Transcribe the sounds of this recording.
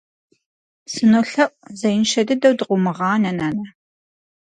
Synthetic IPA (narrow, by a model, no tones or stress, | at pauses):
sɨnoɬɐʔʷʼzɐjɪnʃɐdɨdɐwdɨqʷʊmɨʁɑːnɐnaːnɐ